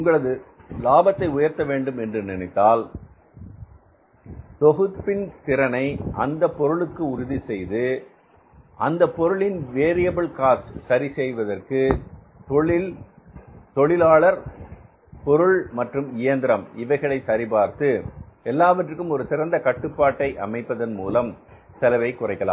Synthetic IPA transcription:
ʊŋɡɐɭɐðɯ | laːbɐt̪ːɐɪʊjɐɾt̪ɐʋeːɳɖɯmɛndrɯnɪnɪt̪ːaːl | t̪ɔɣɯt̪pːɪnt̪ɪɾɐnɐɪʔɐ̰nd̪ɐpːɔɾɯɭɯkːɯʊɾʊðisɛjðɯ | ʔɐnd̪ɐpːɔɾɯɭɪnʋeːɾɪjɐbɐɭkaːssɐɾisɛjʋɐðɐrkɯ | t̪ɔɭɪ | t̪ɔɭɪlaːɭɐɾ | pɔɾɯɭmɐʈrɯmɪjɐnd̪ɪɾɐmɪʋɐɪɣɐɭɐɪsɐɾɪpaːɾt̪ɯɛlːaːʋɐʈrɯkːɯmɔɾɯsɪɾɐnd̪ɐkɐʈːɯpːaːʈːɐɪʔɐ̰mɐɪpːɐðɐnmuːlɐm | sɐlɐʋɐɪkːʊrɐɪkːɐla̰ːm

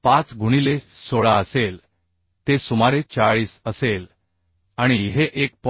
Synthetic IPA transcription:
pãt͡sɡʱuɽ̃ilesoɭaəsel | t̪esumaɾet͡saɭiːsəsel | aɽ̃iɦeʔek̚p

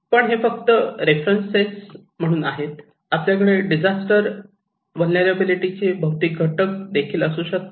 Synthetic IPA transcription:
pəɳɦefəkt̪əɾefɾənsːes | m̤əɽ̃uːnaɦet̪̚ | apljak̬əɭeɖid͡ʑasʈəɾ | ʋəlneɾabiliʈit͡ɕebʱəɦwt̪iːk̚ɡʱəʈək̚d̪ekʰiːləsuɕət̪

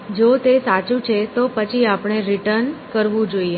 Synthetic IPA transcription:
d͡ʒot̪esat͡ʃũt͡ʃʰet̪opət͡ʃʰiapɳ̃eɾiʈəɾnkəɾʋũd͡ʒoie

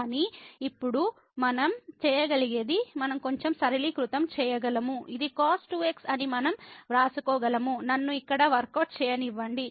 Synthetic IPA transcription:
ɐniːpːuɽu | mɐnɐmt͡ʃɛːjɐɡɐliɡeːd̪imɐnɐmko̞ɲt͡ʃemsɐɾiliːkɾut̪ɐmt͡ʃɛːjɐɡɐlɐmuʔid̪ikaːsʈueːksɐnimɐnɐmɾaːsukɔːɡɐlɐmunɐnːuikːɐɽɐʋɐɾkɐʈ̚t͡ʃɛːjɐniʋːɐɳɖi

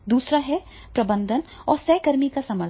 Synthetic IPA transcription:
d̪uːsɾaɦɛ | pɾɐbə̃nd̪ʱənɔːɾsɛːkɐɾmikasɐməɾ

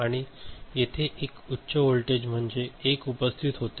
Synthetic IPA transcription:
aɽ̃ijet̪ʰeʔekutːɕəolʈed͡ʑm̤əɳd͡zeːkupəst̪ʰit̪ɦot̪

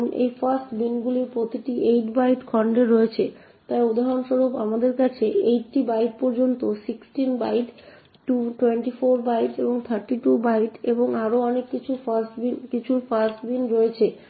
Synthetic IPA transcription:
nʔḛjfasʈbinɡulipɾot̪iʈiʔejʈbaijʈkʰɔɳɖeɾːoet͡ɕʰe | t̪ajud̪aɦonʃoɾubamad̪eɾkat͡ɕʰeejʈʈibajʈ̚pɔɾd͡ʑont̪osiksʈinbaijʈ | ʈːuʈweɳʈifoɾbaiʈeboŋt̪ʰaɾʈiʈubaijʈeboŋaɾoɔnekːit͡ɕʰufasʈbinkit͡ɕʰufasʈbinɾoet͡ɕʰe

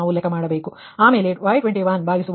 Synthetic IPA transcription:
aːʋulːeːkɐmaːɽɐbeːku | aːmeːleʋɐjʈʋeɳʈiʋɐnbʱaːɡisuʋ

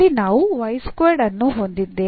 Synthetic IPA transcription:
inaːʋuʋɐjskʋeɖɐnːuɦond̪id̪ːeː

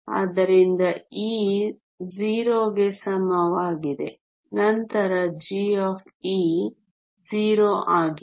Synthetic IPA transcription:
ɐ̰d̪ɐɾind̪ɐiː | ziːɾoːɡesɐmɐʋaːɡid̪ḛ | nɐnt̪ɐɾɐd͡ʒiːɔːfʰiː | ziːɾoːʔaːɡi

